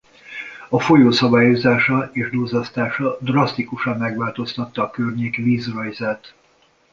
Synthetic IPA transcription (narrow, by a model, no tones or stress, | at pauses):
ɒfo̞joːsɒbaːjozaːʃɒeːʒd̪ozɒst̪aːʃɒd̪rɒst̪ikuʃɒmːɛɡʋaːlt̪o̞st̪ɒt̪ːɒːkørɲeːkviːzrɒjzɛt̪